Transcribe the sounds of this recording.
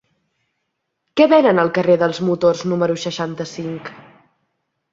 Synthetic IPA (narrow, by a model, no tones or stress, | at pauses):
kɛβɛnənəlˠkəreðəlˠzmut̪orznuməɾusəʃant̪əsiŋk